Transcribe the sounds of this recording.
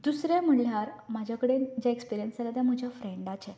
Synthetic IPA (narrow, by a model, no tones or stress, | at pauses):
d̪usɾjam̤əɭljaɾmad͡ʑʱakəɽed͡ʑjaekspiɾijənsalat̪jãm̤əd͡ʑʱjafɾeɳɖat͡ɕɛ